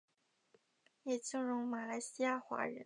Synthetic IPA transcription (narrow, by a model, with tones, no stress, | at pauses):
jɛ˨˩t͡ɕi˥˩ŋɻʊ˧˥ŋma˨˩la˧˥ɪɕi˥ja˥˩xwa̰˧˥ɻə̰˧˥n